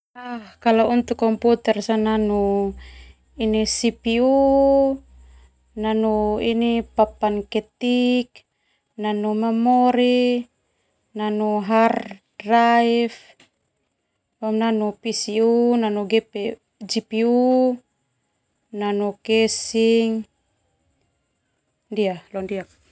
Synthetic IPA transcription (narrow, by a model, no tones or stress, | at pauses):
ahkalaunt̪ukːɔmput̪ɛrsananu | inisipiu | nanuinipapankɛt̪ik | nanumamɔɾi | nanuɦardraif | amnanupisiunanuɡɛpe | d͡ʒipiu | nanukɛsiŋ | ndialɔndiak̚